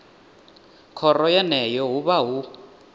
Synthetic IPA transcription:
kʰɔrɔjɛnɛjɔɦuβaɦu

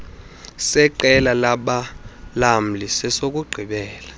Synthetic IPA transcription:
sɛǃɛlalaɓalam̩lisɛsok̬ʼuɡ͡ǃʱiɓɛːla

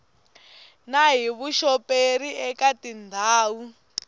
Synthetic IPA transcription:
naɦiβuʃɔpʼeɾiɛkatindʱaːwu

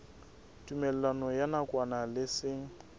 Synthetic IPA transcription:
tʼumɛlɛlanɔjanakʼwanalɪsɪŋ̩

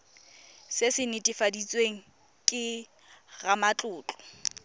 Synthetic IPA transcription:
sɪsɪnɪtʼɪfadit͡sʼweŋ̩ | kʼɪ | ɣamat͡ɬʼʊːt͡ɬʼɔ̥

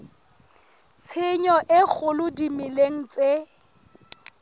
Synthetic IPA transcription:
t͡sʰɪɲɔʔɪk͡xʰʊlʊdimileŋ̩t͡sʼe

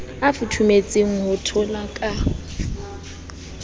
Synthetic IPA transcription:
afutʰumet͡sʼeŋ̩ɦʊtʰɔlakʼa

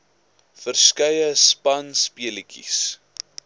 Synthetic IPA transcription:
fərskɐjəspɐnspiəlikʰḭs

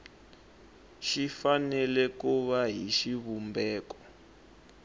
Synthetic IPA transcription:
ʃifanɛlɛkuβaɦiʃiβumbɛːkɔ̥

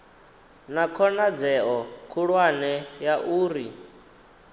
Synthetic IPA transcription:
nakʰɔnad͡zɛɔkʰuɺwanɛjaʔuːɾi

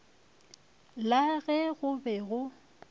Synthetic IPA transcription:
laɣɛɣʊbɛɣʊ

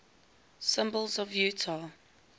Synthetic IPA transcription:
sɪ̃mbəlˠzɔvjʉːtʰa

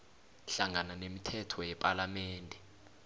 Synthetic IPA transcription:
ɬaŋananemitʰɛtʰɔjɛpʼalamɛːndʱɛ

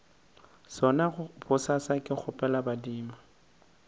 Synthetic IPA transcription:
sɔnabʊsasakʼɪk͡xʰʊpʼɛlabadiːma

